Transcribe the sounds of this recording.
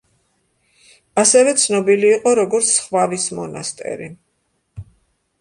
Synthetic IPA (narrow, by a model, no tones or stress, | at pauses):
asɛvɛt̪sʰnɔbiliːqʼɔɾɔɡɔɾt̪sʰχvavismɔnast̪ʼɛ̰ɾi